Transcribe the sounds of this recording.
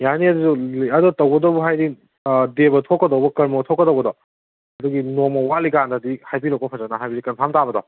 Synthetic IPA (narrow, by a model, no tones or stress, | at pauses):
janiɐdizulɐdɔtɐwɡɐdɔwbɔɦajdi | debɐtʰokːɐdɔwbɐkɐɾmɐtʰokːɐdɐwɡɐdɔ | ɐduɡinomɐwalikandadihajbiɾɔkɔpʰɐzanaɦajbidikɐnpʰamtabɐdɔ